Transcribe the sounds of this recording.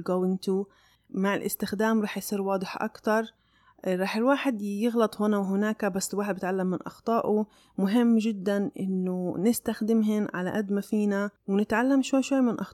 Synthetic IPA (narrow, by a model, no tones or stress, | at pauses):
lɡowɪnt̪uː | maʕɪlʔɪ̰st̪ɪxd̪aːmɾˤɑːħjsˤiːɾwɑːd̪ˤɨħʔa̰kt̪ɑɾˤ | ɾˤɑːħɪlwaːħɪd̪jɪɣlɑt̪ˤhʊnawɦʊnaːkabasːɪlwaːħɪd̪bɪt̪ʕalːamːɪnʔɑ̰xt̪ˤɑːʔu | mʊɦɪmːʒɪd̪ːanʔɪ̰nːʊnɪst̪axd̪ɪmɦɪnʕala̰ʔad̪mafiːnawnɪt̪ʕalːamʃwajːʃwajːmɪnʔɑx